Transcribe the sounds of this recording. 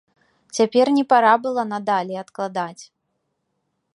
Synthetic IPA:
t͡sʲapʲɛrnʲɛpaɾabɨlˠɐnad̪alʲɛat̪klˠad̪at͡sʲ

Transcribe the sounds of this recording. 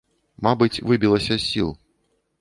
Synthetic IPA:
mabɨt͡sʲvɨbʲilˠɐsʲɐsʲilˠ

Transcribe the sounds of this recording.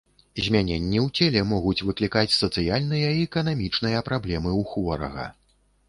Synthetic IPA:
zʲmʲanʲɛnʲːiwt͡sʲɛlʲɛmɔɣut͡sʲvɨklʲikat͡sʲsɐt̪sɨjalʲnɨjɐiɛkɐnamʲit͡ʂnɨjɐpɾablʲɛmɨwxvɔɾɐ̰ɣɐ̰

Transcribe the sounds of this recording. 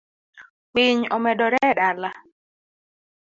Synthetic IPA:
piɲɔmɛdɔɾɛɗala

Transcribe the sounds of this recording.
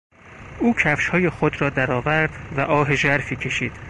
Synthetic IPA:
ʔuːcʰæfʃhɒːje̞xod̪ɾɒːd̪æɾɒːvæɾd̪væʔɒːɦeʒæɾfiːcʰe̞ʃiːd̪̥

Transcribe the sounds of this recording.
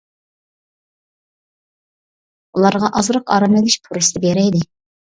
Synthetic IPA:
ulˠɑɾʁɑʔɑzɾɑqɑ̰ɾɑmɪɡʲɪʃpʰuɾɨst̪ɨbeɾɛd̪ɪ

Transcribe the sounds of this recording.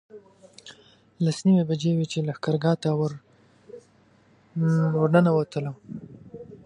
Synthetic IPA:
lasniwebad͡ʒewet͡ʃelaxkaɾɡɑt̪aw | waɾnanawat̪əla

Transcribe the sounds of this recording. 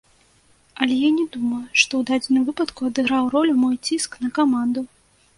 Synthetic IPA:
ɐlʲɛjanʲɛd̪umɐjʂt̪ɔwd̪ad͡zʲɪnɨmvɨpɐt̪kuɐd̪ɨɣɾawrɔlʲumɔjt͡sʲiskn̪ɐkamand̪u

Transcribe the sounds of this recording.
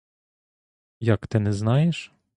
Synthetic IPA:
jakt̪ɪnɛznɑjɛʂ

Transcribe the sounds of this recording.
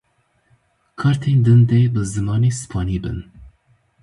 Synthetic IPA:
kʰɑɾt̪ʰeːnd̪ɨnd̪ɛbɨzɨmɑːneːsɨ̥pʰɑːniːbɨ̰n

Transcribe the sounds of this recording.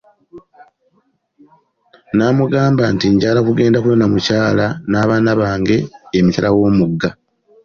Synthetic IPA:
naːmuɡaːmbantiɲɟaɡalakuɡe̞ːndakulonamucaːlanaːβaːnaβaːŋɡe̞ːmicalawo̞ːmuɡːa

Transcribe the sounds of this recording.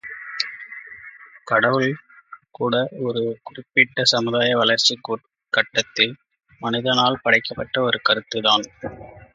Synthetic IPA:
kɐɽɐʋɯlkuːɽɐɔɾɯkʊrɪpːɪʈːɐsɐmɯðaːjɐʋɐlɐɾt͡ʃːiku | kɐʈːɐt̪ːɪl | mɐnɪðɐnaːlpɐɽɐɪkːɐpːɐʈːɐɔɾɯkɐɾɯt̪ːɯðaːn

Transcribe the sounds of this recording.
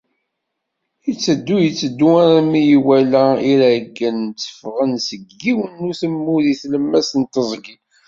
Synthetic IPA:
jət͡sːəd̪ːujət͡sːəd̪ːuaɾmijiwælæiɾæɡːənt͡sːə̥fʁənsəɡiwənːuθəmːuðiθləmːæsənt̪əzˤɡi

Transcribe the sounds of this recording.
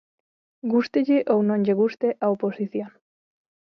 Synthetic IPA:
ɡust̪eʎɪʔownõŋʎeɣ̞ust̪eʔaoposiθjõŋ

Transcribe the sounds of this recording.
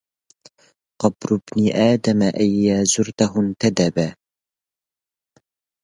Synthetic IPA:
qɑbɾʊbniʔaːd̪amaʔajːaːzʊɾt̪aɦʊnt̪ad̪aba

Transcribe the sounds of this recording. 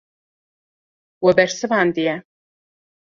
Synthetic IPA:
wɛbɛɾsɨvaːnd̪ijɛ

